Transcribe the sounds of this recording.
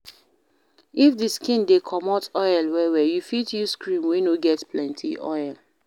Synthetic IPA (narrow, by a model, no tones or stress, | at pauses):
ifdiskĩndekʰɔmɔtɔjɛlwɛwɛjufitjuskɹĩmwenoɡɛtplɛ̃ntʰḭʔɔ̰ɪɛl